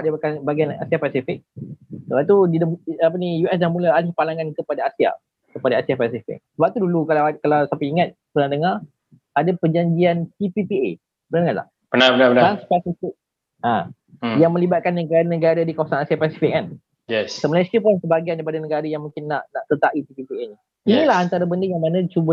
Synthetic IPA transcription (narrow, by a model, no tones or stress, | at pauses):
aʔ̚diakanbaɡiana̰siahpasifɪk̚səbap̚t̪udidəapənijuʔɛslahmũlaalɪhpalaŋankəpadaasia̰ | kəpadaasiapasifɪ̰k̚səbap̚t̪udulukalaakalawsapaiŋat̪̚pənadəŋar | adapəd͡ʒaɲd͡ʒiansipipiḛ | pənadəŋala̰h | pənapənapənaanspasifɪk̚ | ʔa̰ | jaŋmə̃libat̪̚kanːəɡaɾanəɡaɾadikawasanasiapasifɪk̚an | jɛssəməlajskipɔnsəbaɡiandaipadanəɡaɾajaŋmũŋkɪnːaʔnaʔt̪ət̪aʔit̪ipipieni | inilaɦant̪aɾabəndəjaŋmanãt͡ʃubə